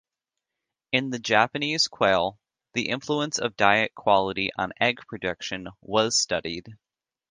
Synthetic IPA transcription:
ɨ̃nðɨd͡ʒæpɨniz̥kʰw̥eɪlˠ | ðiʔɪ̃ɱfluə̃nsʌ̰vdaɪɨt̚kʰw̥ɑlˠəɾiʔə̰̃nɛɡ̚pʰɹ̥ɨdʌkʃɨ̃nwʌz̥stʌɾid̥

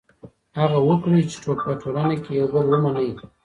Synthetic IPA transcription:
haɣawəkɽit͡ʃe̥ʈ͡ʂok̚paʈʰoɾɑnakejawbəlwəmanəj

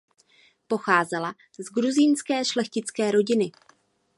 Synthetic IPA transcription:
po̞xaːzɛla | zɡɾuzɪnskɛːʃlɛxcɪt͡skɛːɾo̞ɟɪnɪ

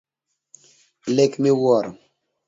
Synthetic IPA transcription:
lekmiwɔɾ

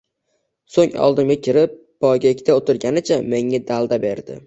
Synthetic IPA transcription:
soŋɒ̰lˠd̪ɪmɡʲakʲʰɪɾɪpːɒjɡʲaekʲʰt̪aot̪ʰɪɾɡʲanɪt͡ʃʰame̞ŋːad̪alˠd̪abe̞ɾd̪ɪ̰

